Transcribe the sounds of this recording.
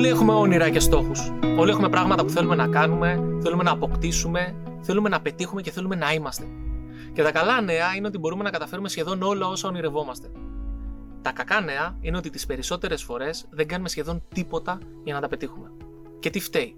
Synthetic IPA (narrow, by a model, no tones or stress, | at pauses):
olie̞xume̞o̞niɾɐce̞st̪o̞xuso̞lie̞xume̞pɾɐɣmɐt̪ɐpuθe̞lume̞nɐkɐnume̞θe̞lume̞nɐːpo̞kt̪isume̞ | θe̞lume̞nɐpe̞t̪ixume̞ceθe̞lume̞nɐimɐst̪e̞ | ce̞t̪ɐkɐlɐne̞ɐineo̞t̪ibo̞ɾume̞nɐkɐt̪ɐfe̞ɾume̞sçe̞ðo̞no̞lɐo̞sɐo̞niɾe̞vo̞mɐst̪e̞ | t̪ɐkɐkɐne̞ɐineo̞t̪it̪ispe̞ɾiso̞t̪e̞ɾe̞sfo̞ɾe̞zðe̞ŋɡɐnume̞sçe̞ðo̞nt̪ipo̞t̪ɐ | ʝɐnɐt̪ɐpe̞t̪ixume̞ | ce̞t̪ift̪e̞i